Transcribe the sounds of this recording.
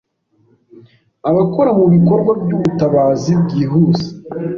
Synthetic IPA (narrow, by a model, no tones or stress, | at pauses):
aβakoɾamuβiko̞ɾɡwabɟuβutaβaːzibɟiːɦuːze̥